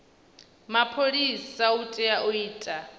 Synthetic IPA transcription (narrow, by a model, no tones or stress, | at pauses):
mapʰoɺisautʼɛaʔuiːtʼa